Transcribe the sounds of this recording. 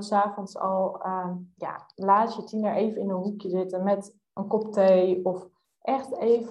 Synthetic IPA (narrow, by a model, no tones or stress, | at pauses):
saːfɔnsɑlˠ | ja̰laːsjətinəɹʔeːvənɪnənɦukjəzɪtənmɛt | ənkɔptejɔf | ʔɛxteːv